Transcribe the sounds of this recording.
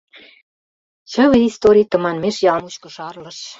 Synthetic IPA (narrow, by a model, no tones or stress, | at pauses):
t͡ɕə̆βəist̪oɾʲit̪ə̆mɑnmeʃjɑlmut͡ɕkə̆ʃɑrlɤ̆ʃ